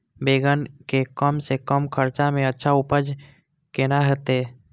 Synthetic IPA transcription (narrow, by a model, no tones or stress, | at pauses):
beːɡənkekəmsekəmkʰəɾt͡ʃamẽətːʃʰaʊpəd͡ʒ | kenaɦət̪eː